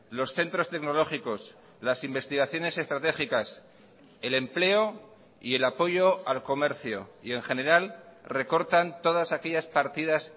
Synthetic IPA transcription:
lo̞sθe̞nt̪ɾo̞st̪e̞kno̞lo̞xiko̞s | lasimbe̞st̪iɣ̞aθjo̞ne̞se̞st̪ɾat̪e̞xikas | e̞le̞mple̞o̞ | ie̞lapo̞ʝo̞alko̞me̞ɾθjo̰ie̞ŋχe̞ne̞ɾalre̞ko̞ɾt̪ant̪o̞ð̞asake̞ʎaspaɾt̪iðas

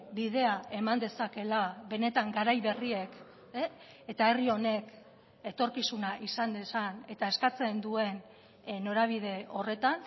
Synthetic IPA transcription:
biðe̞ae̞mand̪e̞sake̞laβe̞ne̞t̪aŋɡaɾajβe̞rie̞k | et̪ae̞rio̞ne̞k | e̞t̪o̞ɾkisunaʔisand̪esane̞t̪ae̞skat͡se̞nd̪ue̞n | no̞ɾaβ̞ið̞e̞o̞re̞t̪an

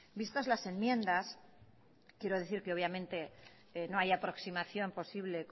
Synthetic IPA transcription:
bist̪azlase̞nmjẽ̞nd̪as | kje̞ɾo̞ðeθiɾke̞o̞β̞jamẽnt̪e̞ | no̞ajapɾo̞ksimaθjo̞mpo̞siβle̞k

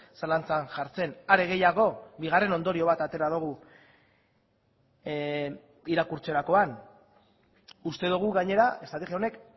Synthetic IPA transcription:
salant͡sanʝaɾt͡se̞naɾe̞ɣe̞jaɣo̞βiɣare̞no̞nd̪o̞ɾio̞β̞at̪at̪e̞ɾaðuɣ̞u | iɾakuɾt͡se̞ɾako̞an | ust̪e̞ðuɣ̞uɣaɲe̞ɾae̞st̪ɾat̪exiaone̞k

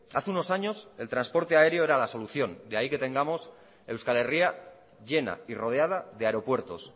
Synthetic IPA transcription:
aθeunosaɲo̞se̞lt̪ɾanspo̞ɾt̪eae̞ɾjo̞e̞ɾalaso̞luθjo̞nd̪eaike̞t̪ẽ̞ŋɡamo̞s | e̞wskale̞ria | ʝe̞na̰iro̞ð̞eað̞aðeaeɾo̞pwe̞ɾt̪o̞s

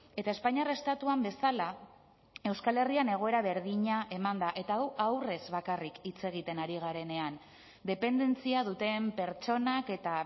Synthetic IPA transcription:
e̞t̪ae̞spaɲare̞st̪at̪uambe̞sala | e̞wskale̞riane̞ɣ̞o̞e̞ɾaβ̞e̞ɾðiɲaʔe̞mand̪aʔe̞t̪aawawre̞zβakarikit͡se̞ɣ̞it̪e̞naɾiɣaɾe̞ne̞an | d̪e̞pe̞nd̪e̞nt͡siað̞ut̪e̞mpe̞ɾt͡ʃo̞nake̞t̪a

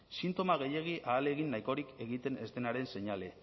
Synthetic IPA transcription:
sint̪o̞maɣ̞e̞je̞ɣ̞iʔaːle̞ɣinːajko̞ɾike̞ɣit̪e̞ne̞st̪e̞naɾe̞nse̞ɲale̞

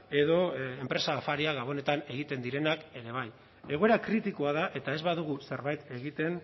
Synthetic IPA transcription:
e̞ðo̞empɾe̞saːfaɾiaɣaβ̞o̞ne̞t̪ane̞ɣit̪e̞nd̪iɾe̞nake̞ɾe̞β̞aj | e̞ɣ̞o̞e̞ɾakɾit̪iko̞aðaʔe̞t̪ae̞zβaðuɣuse̞ɾβajt̪e̞ɣit̪e̞n

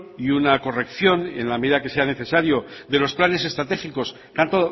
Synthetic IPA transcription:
iunako̞re̞kθjo̞ne̞̰nlameðiðake̞se̞ane̞θe̞saɾjo̞ðe̞lo̞splane̞s̬e̞st̪ɾat̪e̞xiko̞s | kant̪o

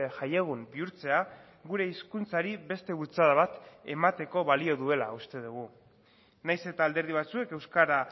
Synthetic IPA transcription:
ʝajeɣ̞umbiuɾt͡se̞a | ɣuɾe̞iskunt͡saɾiβe̞st̪e̞βult͡saðaβ̞at̪e̞mat̪e̞ko̞βalio̞ðue̞la̰ust̪eð̞uɣ̞u | najse̞t̪aːld̪e̞ɾð̞iβ̞at͡sue̞ke̞wskaɾa

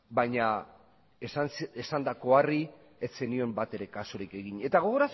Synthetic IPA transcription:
bajɲa | eesand̪ako̞ari | et͡senio̞mbat̪e̞ɾe̞kasoɾike̞ɣiɲe̞t̪aɣ̞o̞ɣ̞oɾas

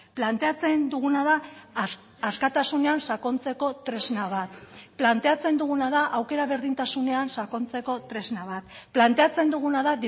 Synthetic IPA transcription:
plant̪e̞at͡se̞nd̪uɣunaðaː | skat̪asune̞ansako̞nt͡se̞ko̞t̪ɾe̞znaβ̞at̪plant̪e̞at͡se̞nd̪uɣ̞unað̞aʔawke̞ɾaβe̞ɾðint̪asune̞ansako̞nt͡se̞ko̞t̪ɾe̞znaβ̞at̪ | plant̪e̞at͡se̞nd̪uɣ̞unaðaði

